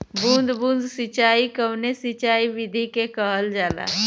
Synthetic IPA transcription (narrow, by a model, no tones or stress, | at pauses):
bũnd̪ʱbũːnd̪sɪt͡ʃaːikəwnesit͡ʃaːiʋɪd̪ʱikekəɦəld͡ʒaːla̰ː